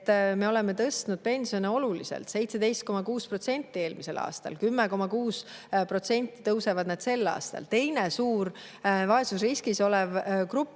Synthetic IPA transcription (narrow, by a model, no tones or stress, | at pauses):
t̪ːˑme̞o̞le̞me̞t̪ɤst̪nud̪̥̚pe̞nʲsio̞neo̞lulisḛlt̪se̞jt̪sed̪e̞jst̪ko̞mɑkuːspro̞t̪se̞nʲt̪ːˑie̞ːlmise̞̰lɑ̰ːst̪ɑ̰lkymːeko̞mɑkuːspro̞t̪se̞nʲt̪ˑːi̥t̪ɤwse̞vɑd̪næd̪̥se̞lːɑ̰ːst̪ɑ̰lt̪e̞jnesuːɾ | vɑe̞susriskiso̞levkrupˑː